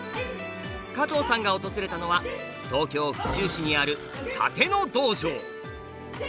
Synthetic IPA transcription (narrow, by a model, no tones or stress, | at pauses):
kat̪o̞ːsãŋɡao̞t̪o̞zɨɾe̞t̪ano̞βa | t̪o̞ːkʲo̞ːɸɯ̟̥t͡ɕɨːɕiɲ̟iaɾɯ̟ | t̪ʰa̰t̪e̞no̞d̪o̞ːʑoː